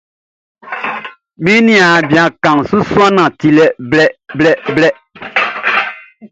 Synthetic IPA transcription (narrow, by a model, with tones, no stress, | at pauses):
mĩ˦nĩ˨a˨bi˨ã˨kã˨ŋ˨su˦su˦a˦nã˨ti˨lɛ˦blɛ˦blɛ˦blɛ˦